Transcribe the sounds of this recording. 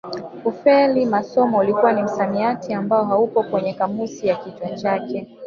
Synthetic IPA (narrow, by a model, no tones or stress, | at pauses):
ufɛlimasɔmɔulikuwanim̩samiatʰiambaɔɦaupɔkwɛɲɛkamusijakitwat͡ʃakɛ